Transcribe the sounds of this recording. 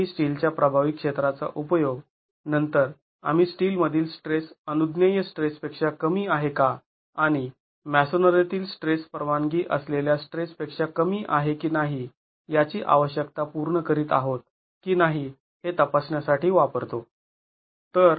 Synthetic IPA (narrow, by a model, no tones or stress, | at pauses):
isʈiːlt͡ɕjapɾəbʱaʋikʂet̪ɾat͡sa̰ʔupəjoɡ | nənt̪əɾ | a̰m̤iːsʈiːlməd̪ʱiːlsʈɾesənud̪nəjəsʈɾespekʂakəmiːaɦekaː | ɽ̃i | mæsonəɾet̪iːlsʈɾespəɾʋaŋɡiːʔəsleljasʈɾespekʂakəmiːʔaɦekiːnaɦi | jat͡ɕiːʔa̰ʋəɕjək̚t̪apuɾɳəkəɾiːt̪a̰ɦot̪̚ | kiːnaɦi | het̪əpasɳjasaʈiːʋapəɾt̪o | t̪əɾ